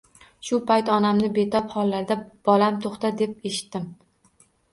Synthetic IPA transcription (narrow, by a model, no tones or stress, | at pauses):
ʃʊpʰajt̪ɒnamnɪbe̞t̪ʰɒphɒlˠːaɾd̪ab̥ɒlamt̪ʰoχt̪ad̪e̞p̚eʃɪ̥t̪ːɪm